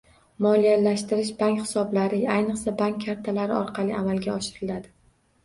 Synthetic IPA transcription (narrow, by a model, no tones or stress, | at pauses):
mɒlijalaʃt̪ɪɾɪʃbaŋkʲχɪ̥sɒblaɾɪajnɨqsabaŋkʲʰːaɾt̪ʰalaɾɪɒɾqʰɑlˠɪamalˠɡʲaɒʃɪɾɪlad̪ɪ